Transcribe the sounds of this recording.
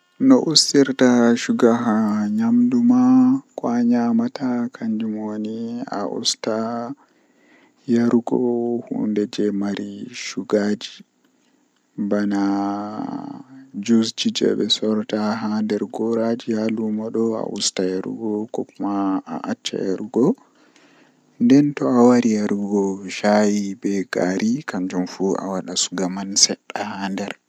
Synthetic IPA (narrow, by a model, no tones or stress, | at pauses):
nɔʔusːiɾtaʃuɡaɦaɲamdumakɔaɲamatakʰaɲd͡ʒumonia̰ʔṵsta | jaɾuɡɔhṵndɛd͡ʒɛmaɾʔiʃuɡad͡ʒi | bana | d͡ʒusd͡ʒid͡ʒɛ̰ɓɛsɔɾtaɦandɛɾɡɔɾad͡ʒihalumaɗɔa̰ʔṵstajaɾṵɡɔkɔkumaa̰ʔat͡ʃːa̰jaɾuɡɔ | ndɛntɔawaɾijaɾuɡɔʃajibɛɡaɾʔikand͡ʒumfua̰waɗasu̥ɡamansɛɗːahandɛɾ